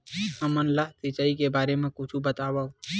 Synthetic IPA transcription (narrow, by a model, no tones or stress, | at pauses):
əmənlaɦt̪ɪt͡ʃaːikebaːɾemẽkʊt͡ʃʰubət̪aːʋao